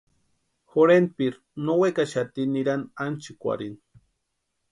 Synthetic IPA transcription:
xoɾenpiɾ | nowekaʃat̪iniɾanant͡ʃikʷa̰ɾin

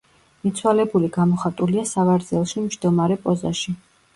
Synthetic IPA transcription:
mit̪sʰwalɛbuliɡamɔχat̪ʼuliasavaɾd̪zɛlˠʃimʒd̪ɔmaɾɛpʼɔzaʃi

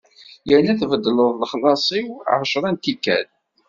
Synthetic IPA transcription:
jəɾnæθvəd̪ːələðˤlχlɑsˤiwʕəʃɾˤænt̪ikːæ̰l

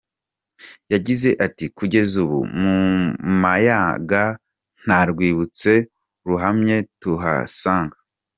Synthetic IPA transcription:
jaɟize̞ʔatikuɟe̞zuβṵmumajaɡa | n̥aɾɡwiːβut͡se̞ | ɾuɦamɲe̞tuɦa̰saːŋɡa

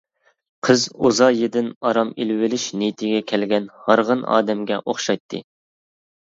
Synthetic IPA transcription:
qʰəzozɑjed̪ɪnɑɾɑmilwɪlɪʃnet̪ʰɪɡʲɛkʲʰɛlɡʲɛnhɑɾʁənɑ̰ːd̪ɛmɡʲɛʔoχʃɑjt̪ʰːɨ̰

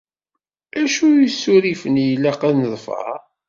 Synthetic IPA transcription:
æʃujisːuɾifənjlːæqæðnəðˤfə̰

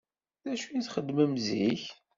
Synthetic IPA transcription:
ðæʃunθχəd̪ːməmziç

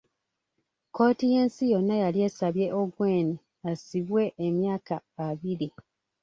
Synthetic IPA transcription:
ko̞ːtije̞ːnsijo̞nːajalje̞ːsaβje̞ʔoɡwe̞ːni | asiβwe̞ʔːmjaːkaːβiɾi

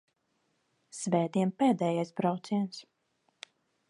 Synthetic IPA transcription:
svɛːd̪iɛmpɛːd̪ɛːjajsbɾawt̪siɛns

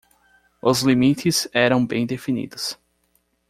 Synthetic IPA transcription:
ʊzlimit̪ɪzɛɾɐ̃w̃bẽj̃d̪efinḭd̪ʊs

